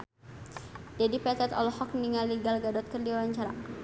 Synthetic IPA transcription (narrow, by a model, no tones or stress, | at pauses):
dɛdipɛt̪ɛt̪ɔ̰lɔhɔk̚niŋaliɡalɡadɔt̪̚kərdiwawaɲt͡ʃaɾa